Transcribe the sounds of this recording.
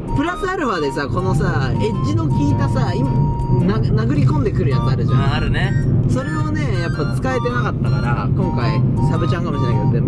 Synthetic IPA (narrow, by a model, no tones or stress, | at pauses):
pɯ̟ɾasɨaɾɯ̟βad̪e̞sako̞no̞saeʑino̞kʲiːt̪asaima | nanaɡɯ̟ɾʲikõ̞nd̪e̞kɯ̟ɾɯ̟jaɲinaɾɯ̟ʑãaɾɯ̟neso̞ɾe̞one̞japːat͡sɨ̥kae̞t̪e̞nakat̪ːakaɾakõ̞ŋkaisabɯ̟t͡ɕãŋkamoɕiɾnaiked̪ot̪ːe